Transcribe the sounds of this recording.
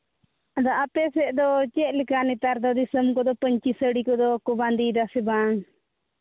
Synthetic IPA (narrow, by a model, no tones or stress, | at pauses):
ad̪aʔapɛsɛʔd̪ɔt͡ʃɛʔlɛkanit̪aɾd̪ɔd̪isəmkɔd̪ɔpəɲt͡ʃisəɽikɔd̪ɔkɔband̪id̪asɛbaŋ